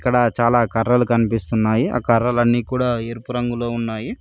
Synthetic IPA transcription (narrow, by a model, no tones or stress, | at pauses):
kːɐɽɐt͡ʃaːlaːkɐrːɐlukɐnipist̪unːaːjiɐ̰kɐrːɐlɐnːiːkuːɽaːeːɾupuɾɐŋɡulo̞ːunːaːji